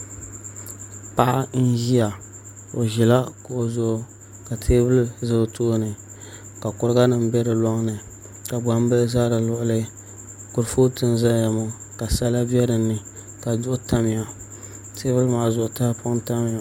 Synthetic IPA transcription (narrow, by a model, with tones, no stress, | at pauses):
pa˦ʔa˦n̩˦ʒi˦a˨ | o˨ʒi˨la˦ko˨o˨zʊ˨ʔ | ka˨tʰeː˦bɨ˦lzɨ˦˨tʰo˦nɨ˨ | ka˨kʊ˦ɾɨ˦ɡa˦nɨ˨m˦bɛ˦ɾɨ˨lɔ˦ŋnɨ˨ | ka˨ba˦m˦bɨ˦za˦ɾa˨lʊ˦ʔʊ˦lɨ˦ | kʊ˨ɾfo˦tɨ˦nza˦ja˨mo˨ | ka˨sa˦la˦bi˦ɛ˦ɾɨ˨nːɨ˨ | ka˨dʊ˦ʔʊ˦ta˦mɪ˨ja˨ | tʰe˦bɨ˦lmaː˨zʊ˨ʔʊ˨ta˦hpʰʊ˦ŋ˦ta˦mɪ˨a˨